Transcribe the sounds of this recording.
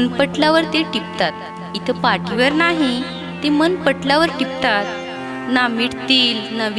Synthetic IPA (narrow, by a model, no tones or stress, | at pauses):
npəʈljaʋəɾt̪eʈip̚t̪at̪̚ | it̪ʰəpaʈiʋəɾnaɦi | t̪emənpəʈʰljaʋəɾʈip̚t̪at̪̚ | namiɽt̪iːlnəʋ